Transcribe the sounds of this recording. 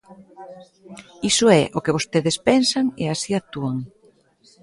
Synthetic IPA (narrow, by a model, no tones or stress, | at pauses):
isʊɛʔokeβ̞ost̪eðespɛnsaŋḛasiat̪uaŋ